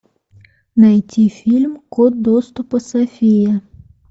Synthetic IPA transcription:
nɐjtʲifʲilʲmkɔd̪ɔst̪ʊpɐsɐfʲijɐ

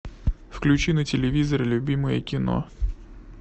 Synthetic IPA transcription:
fklʲʉt͡ɕinətʲɪlʲɪvʲizɐɾlʲʊbʲiməjə̰kʲɪno̰

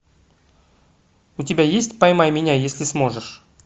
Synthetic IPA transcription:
ʊtʲɪbʲajesʲtʲpɐjmajmʲɪnʲajesʲlʲɪsmo̞ʐɨʂ

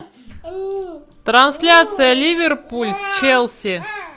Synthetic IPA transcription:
t̪ɾɐnsʲlʲat̪sɨjəlʲivʲɪrpulʲst͡ɕelˠsʲi

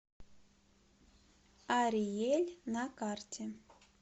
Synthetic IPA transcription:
ɑɾʲijelʲnɑkɑrtʲʰe

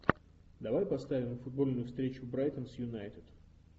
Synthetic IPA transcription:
d̪ɐvajpɐst̪avʲɪmfʊd̪̚bo̞lʲnʊjʊfst̪ɾʲet͡ɕʊbɾajt̪ənsjʊnajt̪ɪt̪

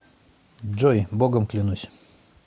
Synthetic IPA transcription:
d͡ʒɔjboɡɔmklʲinusʲ

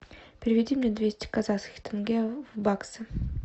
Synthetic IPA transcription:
pʲɾʲɪvʲɪdʲimʲnʲed̪vʲesʲtʲɪ̥kazaskʲɪ̥xt̪ɘnɡʲevbaksɨ

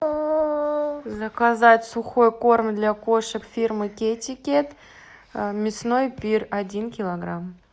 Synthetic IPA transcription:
zɐkazatʲsuχo̞jko̞rmʲd̪lʲakoʂəkfʲirmɨkʲetʲikʲet̪ | mʲɪsno̞jpʲiradʲinkʲilˠoɡram

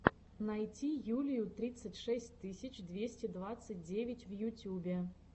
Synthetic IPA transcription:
najt͡sʲijulʲijut̪ɾʲɨt̪sːət͡sʲʂɛsʲt̪ɨsʲit͡ɕd̪vʲesʲt͡sʲɛd̪vat̪sət̚ʲd͡zʲevʲɪt͡sʲvjutʲjubʲɛ

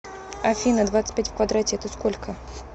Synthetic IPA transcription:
ɐfʲinəd̪vat̪sə̥t̚ʲpʲætʲfkvɐd̪ɾatʲɪɛt̪əskolʲkʰə

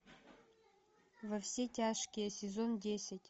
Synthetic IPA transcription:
vɐfsʲetʲʰaʂkʲijɐsʲezo̞ndʲesʲɪtʲ

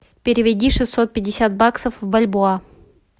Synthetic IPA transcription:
pʲɪɾʲɪvʲɪdʲiʂɨsːot̪̚pʲɪdʲɪsʲat̪̚baksəfvbɐlʲbʊa

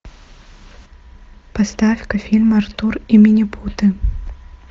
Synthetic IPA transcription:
past̪afʲkɐfʲilʲmɐrt̪urimʲinʲipʰut̪ɨ

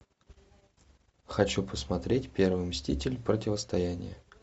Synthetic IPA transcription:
xɐt͡ɕupəsmɐt̪ɾʲetʲpʲe̞rvɨmʲsʲtʲḭtʲɪlʲpɾətʲɪvəst̪ɐjanʲɪ̰jə̰

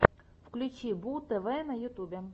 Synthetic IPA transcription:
fklʲʉt͡ɕibut̪ɛvɛnɐjʊt̪ubʲɛ

